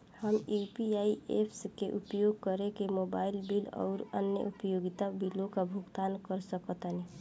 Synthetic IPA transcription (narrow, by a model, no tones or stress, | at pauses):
həmjupiaiʔepʰskeʔupjoɡ̚kəɾekemoːbaːɪlbilɔ̰ːɾə̰njə̰ʔupjoɡɪt̪abilõkabʱʊɡt̪aːnkəɾsəkət̪əne